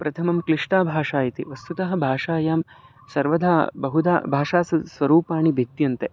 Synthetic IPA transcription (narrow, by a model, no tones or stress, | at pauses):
pɾɐt̪ʰɐmɐmkɾiʂɳaːbʱaːʂaːjɐt̪ḭʋɐst̪ut̪ɐɦɐ̆bʱaːʂaːjaːm | sɐɾʋɐd̪ʱaːbɐɦud̪a̰ːbʱaːʂaːsɐsʋɐɾuːpaːɳibʱid̪jɐnt̪e